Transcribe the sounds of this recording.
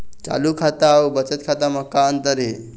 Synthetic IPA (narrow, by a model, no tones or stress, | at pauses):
t͡sa̰lukʰat̪aːwbət͡sət̪kʰat̪am̤əkːaənt̪əɾɦe